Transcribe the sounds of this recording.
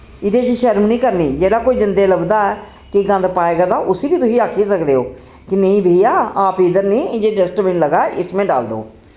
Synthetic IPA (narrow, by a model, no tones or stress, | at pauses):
ɪd̪eːt͡ʃiʃɛːɾmniːkəɾniːd͡ʒeːɽaːkoːiːd͡ʒɪnd̪eːləbd̪aːɛː | kɪɡə̃nd̪paːeːɡaːd̪aːʔʊsiːbiːt̪ʊsĩːaːkʰiːsəkd̪eːɦoː | kɪnə̃ĩːbʱiːaːaːpɪd̪əɾnĩːd͡ʒeːɖɛsʈmɪ̃nləɡaːɛʔɪsmẽːɖa̰ːld̪o̰ː